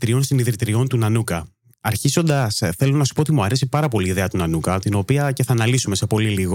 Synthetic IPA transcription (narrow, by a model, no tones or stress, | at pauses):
t̪ɾio̞nst̪iniðɾit̪ɾio̞nt̪unɐnukɐ | ɐɾçizo̞nd̪ɐsθe̞lonɐsu̥pot̪imuɐɾe̞sipɐɾɐpo̞liːðe̞ɐt̪unɐnukɐt̪ino̞piɐce̞θɐːnɐlisume̞se̞po̞liliɣo̞